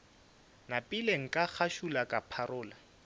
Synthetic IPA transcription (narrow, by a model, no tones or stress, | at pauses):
napʼileŋ̩kʼak͡xʰaʃulakʼapʰaɾʊːla